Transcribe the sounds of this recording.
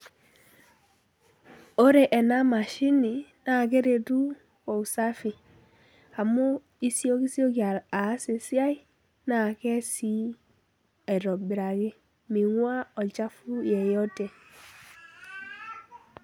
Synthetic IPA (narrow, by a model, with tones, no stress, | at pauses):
o˦ɾe˨ʔɛ˨na˦ma˨ʃi˦ni˨na˨ke˦ɾe˨tu˦ | ko˨u˨sa˦fi˨ | a˨mo˦ | i˦si˦o˦ki˦si˦o˦ka˨a˨˦se˨si˦a˦i˦ | na˨kɛ˦si˦ | e˨ɾɔ˨bi˨ɾa˨ɡe˦ | mi˨ŋwa˦ɔ˨d͡ʒa˦fu˦jɛ˨jɔ˦te˨